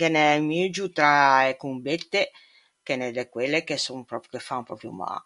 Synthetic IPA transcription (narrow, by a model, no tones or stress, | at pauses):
kenɛmid͡ʒut̪ɾaekumbet̪ːe | kenɛd̪ɛkwelːekesonpɾɔpɾjukefanpɾɔpɾjṵma̰